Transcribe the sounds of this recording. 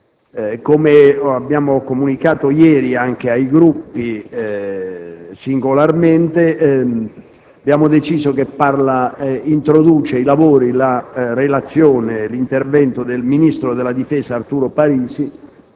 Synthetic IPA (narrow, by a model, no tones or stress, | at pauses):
komeabːjaːmokomunikaːt̪ojɛːɾiaŋk̟eajɡɾupːi | siŋɡolarment̪e | abːjaːmod̪et͡ʃiːzokepːarlaint̪ɾod̪uːt͡ʃeilavoːɾilarelat̪sːjoːnelint̪ervɛnt̪od̪elminist̪ɾod̪elːad̪ifɛːsaːrt̪uːɾopaɾiːsi